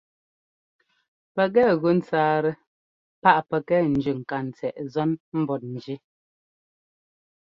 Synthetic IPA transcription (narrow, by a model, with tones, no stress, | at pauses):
pɛ˨ɣɛ˦˨ɣʉ˦n̩˦t͡saː˦ɾɛ˨ | pa˦ʔpɛ˨kɛ˦n̩˨d͡ʒʉ˨ŋ̩˨ka˨n̩˨t͡sɛ˨ʔzɔ˦nm̩˦bɔ˨t̚n̩˨d͡ʒi˦